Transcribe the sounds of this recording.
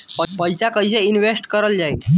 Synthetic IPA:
pəpəjt͡ɕakəiɕeinʋesʈkəɾəld͡ʑaj

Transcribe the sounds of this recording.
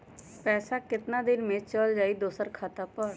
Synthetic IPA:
pɛːsaːkɪt̪naːd̪ɪnmẽːt͡ʃəld͡ʒaːiːd̪oːsəɾkʰaːt̪aːpəɽ

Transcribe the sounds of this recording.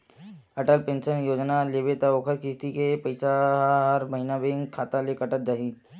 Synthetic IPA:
əʈəlpẽnsənjoːd͡ʒnalebet̪aoːkʰəɾkist̪ikepəɪsaɦɦəɾmɐɦinabeŋkʰaːt̪alekəʈət̪̚d͡ʒaːɦi

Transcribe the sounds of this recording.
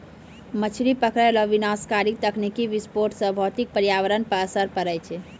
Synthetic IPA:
mət͡ʃʰɾipəkɾɛlɔʋinaskaɾik̚t̪əkʰnikiʋispoɾʈsə̃bʱɔt̪ik̚pəɾijaʋəɾənpəɾsəɾpəɾɛjt͡ʃʰɛ

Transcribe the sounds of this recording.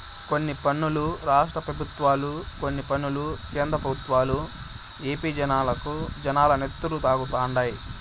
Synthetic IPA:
ko̞nːipɐɳːuluɾaːʂʈɾɐpɾɐbʱut̪ʋaːlu | ko̞nːipɐnːulu | keːnd̪ɾɐpɐbʱut̪ʋaːlu | eːpiːd͡ʒɐnaːlɐku | d͡ʒɐnaːlɐne̞t̪ːulut̪aːɡut̪aːɳɖaːji

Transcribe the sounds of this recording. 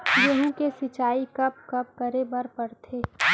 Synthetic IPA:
jeɦũkesɪt͡ʃaːikɐp̚kɐp̚kəɾebəɾpɐɾt̪ʰeː

